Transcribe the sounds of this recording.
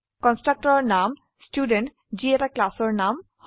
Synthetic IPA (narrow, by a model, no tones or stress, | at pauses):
kɔnsʈɹak̚ʈɔɹɔɹnam | stjuɖent | ziɛtaklasɔɹnamh